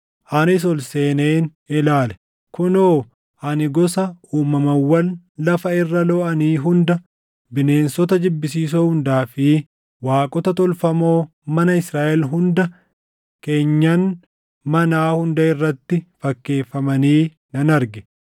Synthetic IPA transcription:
ʔɐnɪs̬ɔlse̞ːneːn | ɪlaːlɛ̥ | kʊnoː | ʔɐnɪɡɔsɐuːmɐmɐwːɐl | lɐfɐɪrːɐlɔʔɐniːɦʊnd̪ɐ | bɪne̞ːnsɔt̪ɐd͡ʒɪbːɪsiːs̬ohʊnd̪aːfɪ | waːkʼɔt̪ɐt̪ɔlfɐmo̞ː | mɐnɐɪsɾaːʔɛlɦʊnd̪ɐ | ke̞ːɲːɐn | mɐnaːhʊnd̪ɐɪrːɐt̪ːɪfɐkːe̞ːfːɐmɐniː | nɐnɐɾɡɪ̥

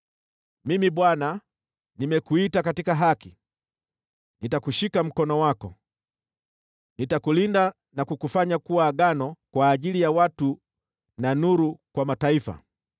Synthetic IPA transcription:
mimiɓwana | nimɛkuitakatikaɦaki | nitakuʃikam̩kɔnɔwakɔ̰ | nitakulinda | nakukufaɲakuwaːɡanɔkwaːʄilijawatu | nanuɾukwamataifa̰

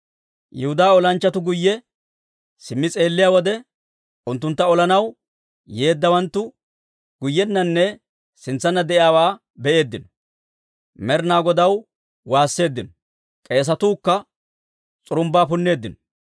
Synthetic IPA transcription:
jɛhʊd̪aːɔlɐnt͡ʃːɐt̪ʊɡʊjːɛ | sɪmːɪt͡sʼe̞ːlːɪjaːwɔd̪ɛ | ʔʊnt̪ːʊnt̪ːɐɔlɐnɐw | je̞ːd̪ːɐwɐnt̪ːʊ | ɡ̥ʊjːɛnːɐnːɛ | sɪnt͡sːɐnːɐd̪ɛʔɪaːwaː | bɛe̞ːd̪ːɪnɔ̥ | mɛɾnaːɡɔd̪ɐw | waːsːe̞ːd̪ːɪnɔ̥ | kʼe̞ːs̬ɐt̪uːkːɐ | t͡sʼʊɾʊmbaːpʊnːe̞ːd̪ːɪnɔ

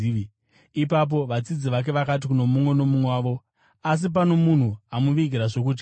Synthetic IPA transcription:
ipap̬o̞ʋat͡sid͡ziʋak̬e̞ʋakat̬ikuno̞mumwe̞no̞mumaːʋo̞ | as̬ip̬ano̞mun̤uamuʋiɡʱiɾaʐo̞k̬uːt̬i̥

